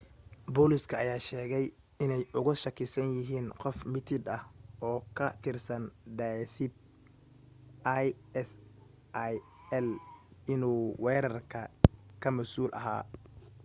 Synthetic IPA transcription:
bɔːlɪskʰɐːjaːʃɛːɣɛj | ɪnɛjʔʊɣʊʃɐkʰɪsɐnjɪɦiːnqɔfmɪt̪ʰɪd̪ɐhɔːkʰɐt̪ʰɪrsɐnɖaːsɪb̚ | aj | ɛs | ʔj | ɛlɪnuːwɛːɾɐrkʰɐkʰɐmɐsuːlʔɐ̰ɦa̰ː

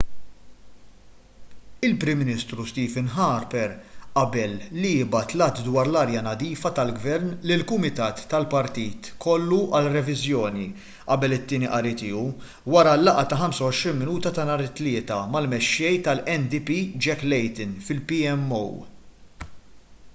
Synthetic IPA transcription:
ɪlpɾɪmːɪnist̪ɾust̪iːvɪnɦɐːɾpɛɾʔɐbɛlːiɪbɐt̪lɐt̪d̪wɐːɾlɐːɾjɐnɐd̪iːfɐt̪ɐlɡvɛɾnlɪlkʊmɪt̪ɐːt̪ːɐlpɐɾt̪iːt̪kʰɔlːuʔɐlrɛvɪzjɔːni | ʔɐbɛlɪt̪ːɪːniʔɐɾit̪ɪːu | wɐɾɐlːɐʔɐt̪ɐɦɐmsɐwɔʃɾiːnmɪnuːt̪ɐt̪ɐnɐɾɪt̪ːlɪːt̪ɐmɐlmɛʃːɛjt̪ɐlɛnd̪ipiːd͡ʒɛkːlɛjt̪ɪnfɪlpiɛmːo̰w

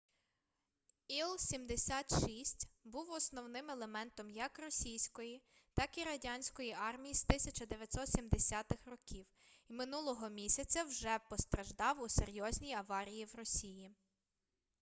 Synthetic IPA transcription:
ilˠsʲimd̪esʲat̪ʃisʲtʲbuwɔsnɔwnɪmelˠemɛnt̪ɔmjɐkrɔsʲijsʲkɔjit̪ɑkiɾɐdʲɑnʲsʲkɔjiʔɑrmʲijizt̪ɪsʲɐt͡ʃɐd̪eʋʲjɐt̪ʲsɔt̪sʲimd̪esʲɑt̪ɪxrɔkʲiw | imɪnulˠɔɦɔmʲisʲɐt͡sʲɐwʒɛpɔst̪ɾɐʒd̪ɑwuseɾʲjɔzʲnʲijɐʋɑɾʲijiwrɔsʲiji

